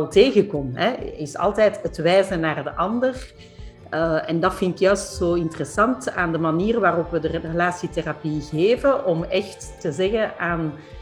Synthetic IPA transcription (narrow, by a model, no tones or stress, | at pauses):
ɛlˠteːɣəkɔmɦɛɪsɑ̰lˠtɛːtətʋɛːzənaːrdəʔɑndər | əɛndɑtfɪntɪkjœɥstsoːɪntərəsɑntaːndəmaniːrʋaːrɔpʋədərrəlaːsiterapiɣeːvəʔɔmɛxtːəzɛɣəaːn